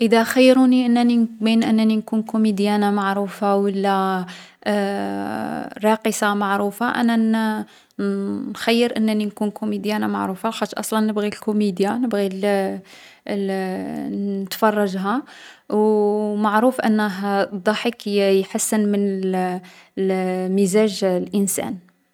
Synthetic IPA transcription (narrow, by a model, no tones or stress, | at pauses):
ʔəd̪æxəjːɾuniʔənːænibinʔənːæninkunkumid̪jænamaʕɾufawəlːæ | ɾˤɑqəsamaʕɾufaʔæ̰næ | nxæjːəɾʔənːæninkunkumid̪jænama̰ʕɾufalxɑt̪ːʔɑ̰sˤlɑnːəbɣilkumid̪janəbɣil | nət̪fɑrˤːɑʒɦa | wmaʕɾufʔə̰nːəɦd̪ˤːɑħəkjħasːənmən | lmizæʒlʔənsæ̰n